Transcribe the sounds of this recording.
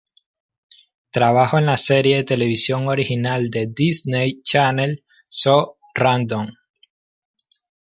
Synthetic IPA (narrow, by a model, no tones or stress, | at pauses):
t̪ɾaβaxo̞enlase̞ɾje̞ðe̞t̪e̞le̞βisjo̞ŋo̞ɾixinald̪e̞d̪isnejt͡ʃanel | so | rand̪oŋ